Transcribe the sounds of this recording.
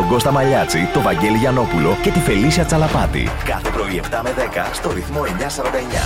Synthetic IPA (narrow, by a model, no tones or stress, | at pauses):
oɡo̞st̪ɐmɐʎɐt͡sit̪o̞vɐɲɟe̞liʝɐno̞pulo̞ce̞t̪ife̞lisiɐt͡sɐlɐpɐt̪ḭkɐθepɾo̞ie̞ft̪ɐme̞ðe̞kɐst̪o̞ɾiθmo̞e̞ɲɐsɐɾɐnd̪ɐeɲɐ̰